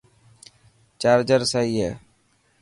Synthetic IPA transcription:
t͡ʃaːɾd͡ʒəɾsaiːɦɛː

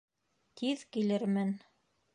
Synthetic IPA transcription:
t̪ʰiðkilɘɾmɘn

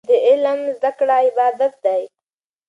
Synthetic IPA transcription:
d̪əɪlmzd̪akɽaɪbɑːd̪at̪̚d̪aj

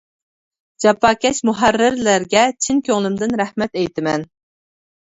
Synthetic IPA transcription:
d͡ʒɑpːɑːkʲɛʃmuɦærːɪɾlæɾɡʲɛt͡ʃʰinkʲʰøŋlˠɪmd̪ɪnɾæhmɛt̪ɛjt̪ʰɪmɛn

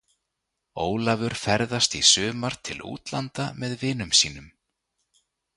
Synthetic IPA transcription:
oːwlavʏɾ̥fɛɾðast̪isʏːmaɾ̥t̪ʰɪlṵːt̪lant̪amɛðvɪːnʏmsiːnʏm

